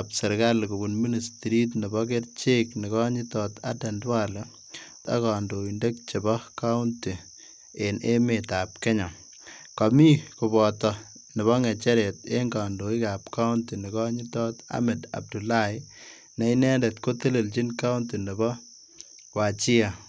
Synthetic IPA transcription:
apse˨ɾɡa˦lku˨ɡu˨nmi˦ni˨sti˨ɾi˦tnɛ˨bɔk̬e˦ɾt͡ʃe˦kni˨kɔ˦ɲi˦tɔta̰de˨ndwalo | ta̰˦ka˨ndo˨indek̚t͡ʃe˨bɔ˦ka˦ʊnti˨ | e˨nʔe˦metap̚ke˦ɲa˨ | kɔ˨mi˦ku˨bɔtɔ˨ | nɪ˨βɔ˦ŋe˨t͡ʃɛ˦ɾetḛ˦ŋɡa˨ndo˨i˦kapka˦wunti˨ni˨kɔ˦ɲi˦tɔ˦ta̰˦mɛ˨da̰˨b̚du˨la˦j | nɛ˨˦inɛ˦nde˨tko˦te˦le˨lt͡ʃi˦nka˦unti˨nɛ˨bɔ˦ | wa˨t͡ʃi˦a˨

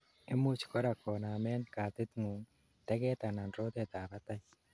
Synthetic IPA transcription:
e˦mu˦t͡ʃkɔ˦ɾa˨kɔ˨na˨mɛ˦nkaː˨t̪ɪ˦t̪ŋu˨ŋ | t̪ɛ˦ɡɛ˦t̪a˨na˨nɾo˦t̪ɛ˦t̪aː˨ba˦t̪a˦j

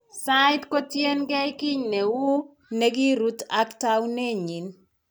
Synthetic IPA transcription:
saɪtko˦tje˦nɡɛ˦jkɪ˦ɲne˨wʊ˦ | ne˦ɡɪ˦ɾu˦t̪a˦kta˦wne˦ɲi˨n

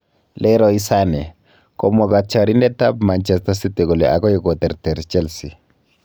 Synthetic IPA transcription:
lɛɾɔi˦sanɛ˨ | kɔ˨mɔ˨ka˨t͡ʃaɾi˦ndɛ˦ta˦p̚mant͡ʃɛsta˦site˨ko˨le˨ʔa̰˨kɔ˦ji˨kɔt̪ɛ˨ɾtɛ˨ɾt͡ʃɛ˦lsi˨

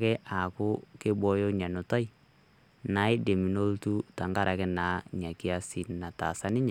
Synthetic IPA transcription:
kɛ˦ʔa˨kʊ˦kɪ˦bɔ˦jo˦ɲa˨nʊ˨ta˦i˦ | na˦ɪ˦de˨mi˨no˦ltu˦ta˨ŋɡa˦ɾʔa˨kɛ˦naː˨˦ɲa˨kɪ˦a˦si˨na˨ta̰˨sa˦nɪ˦ɲɛ˨

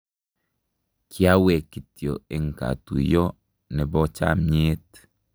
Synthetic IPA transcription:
kʰja˦we˨ki˨tjo̰˨ɪ˨ŋka̰˨tṵ˨jɔ˦ | nɛ˨bɔ˦t͡ʃa̰˦mɲe˦t

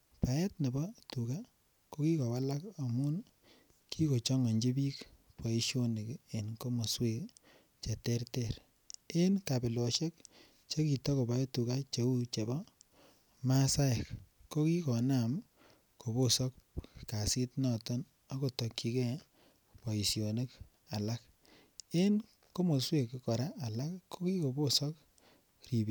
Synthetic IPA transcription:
pa˨jɛ˦tne˨bɔ˦tu˨ka˦ | ko˦ki˦kɔ˨wa˦la˦ko˨mu˦n | kʰi˦ko˨t͡ʃɔ˦ŋɔ˨ɲd͡ʒi˦bi˦kpa˨i˦ʃo˦ni˨ke˨nko˦mo˨swe˦k | t͡ʃe˨te˦ɾte˦˨ɾ | e˦nka˨pɪ˨lɔ˨ʃe˦k̚ | t͡ʃo˦ki˨tɔ˦ko˨ba˨e˦tu˨ka˦t͡ʃe˨u˦t͡ʃe˨bɔ˦ | ma˦sa˦je˨k | kːo˦ki˦kɔ˨na˦˨m | ko˨bo˦sɔ˦k̚ka˨si˦tnɔ˦˨tɔ˦n | a˦ko˨to˨kːi˨ke˦ | pɔ˨i˨sjo˨ne˦k | a˨la˦k | e˦n | ko˦mo˨swe˨kkɔ˨ɾa˦ʔa˨la˦kkːo˦ki˦ko˨bo˦sɔ˦k | ri˨bi˨

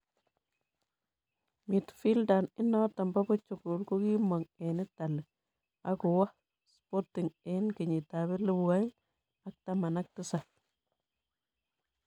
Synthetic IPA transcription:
mi˨tfi˦lda˨nɪ˦nɔ˦ta˨mba˦bɔ˦t͡ʃo˨ku˨lko˦ki˦mɔ˨ŋɛ˨nɪ˦ta˨l | a˦kʊ˨wa˦ | spo˦ti˨ŋɛ˦nkɪ˨ɲi˨ta˨bɪ˦lu˦ba˦j | a˦k̚ta˨ma˨na˦k̚tɪ˦sa˨

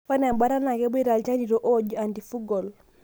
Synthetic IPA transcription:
fa˦na˨mba˦ɾa˦na˨kɛ˦bi˦ɾa˨lt͡ʃa˦ni˨ɾo˦ʔo˦d͡ʒu˨a˨ndi˨fu˦ɡɔ˨l

